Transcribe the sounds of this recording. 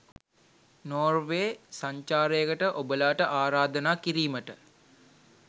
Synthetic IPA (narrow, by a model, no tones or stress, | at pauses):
noːrʋeːsaɲt͡ʃaːɾəjəkəʈəʔobəlaːʈəʔaːɾaːd̪ənaːkiɾiːməʈə